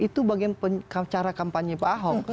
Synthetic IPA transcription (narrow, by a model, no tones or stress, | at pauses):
it̪ubaɡinpəɲkat͡ʃaɾakampaɲibaɦɔk̚